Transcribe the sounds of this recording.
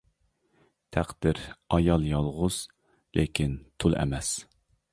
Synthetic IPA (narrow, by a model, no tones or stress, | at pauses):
t̪ʰæqd̪̥ɪɾɑjɑlˠjɑlˠʁʊz̥ | lʔekʲʰint̪ʰulˠɛ̰mɛs